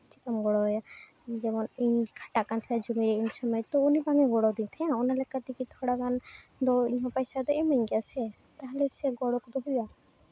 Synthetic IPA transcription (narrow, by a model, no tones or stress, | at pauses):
t͡ʃikamɡɔɽɔja | d͡ʒɛmɔniɲkʰaʈakant̪ʰɛlad͡ʒumiɾɛiɲsɔmɔjɔt̪ːɔunibaŋɛɡɔɽɔd̪int̪ʰɛãɔnalɛkat̪ikit̪ʰɔɽaɡan | d̪ɔiɲɦɔ̃pajsad̪ɔɛmaɲɡɛasɛ | t̪aɦɛlɛsɛɡɔɽɔkd̪ɔɦuja